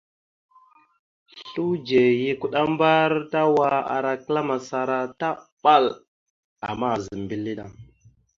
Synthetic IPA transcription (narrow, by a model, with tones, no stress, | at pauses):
ɬu˦d͡ʒe˨ji˦ku˦ɗa˦mba˦ɾta˦wa˦a̰˨ɾa˨kla˦ma˨sa˨ɾa˦ta˦ɓa˦˨l | a̰˨ma˦˨zə˨m˨bi˦lːi˦ɗa˦